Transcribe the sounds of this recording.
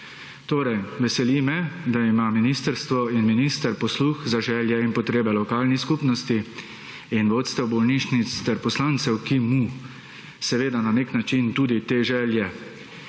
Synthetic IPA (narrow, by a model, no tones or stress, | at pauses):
t̪oːɾɛjʋɛsɛliːmɛd̪aimaːminiːst̪əɾst̪ʋɔinminist̪əɾpɔsluːxzaʒɛːljɛinpɔt̪ɾeːbɛlɔkaːlniskupnɔst̪i | inʋoːt̪st̪ɛwbɔlniʃnit̪st̪ɛɾpɔslaːnt̪sɛwkimu | sɛʋeːd̪ananeknat͡ʃint̪uːd̪it̪eːʒɛːljɛ